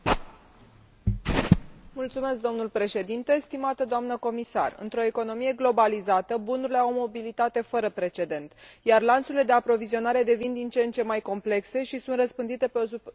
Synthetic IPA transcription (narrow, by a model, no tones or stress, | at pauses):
mult̪sume̞sk̚d̪o̞mnulpɾe̞ʃe̞d̪int̪e̞st̪imat̪əd̪oamnəko̞misa̰rɨ̰nt̪ɾo̞e̞ko̞no̞mije̞ɡlo̞balizat̪əbunuɾile̞awmo̞bilit̪at̪e̞fəɾəpɾe̞t͡ʃe̞d̪e̞nt̪jarlant̪suɾiled̪e̞apɾo̞vizio̞naɾe̞d̪e̞vind̪int͡ʃe̞nt͡ʃe̞majko̞mple̞kse̞ʃisunt̪rəspɨnd̪it̪e̞peos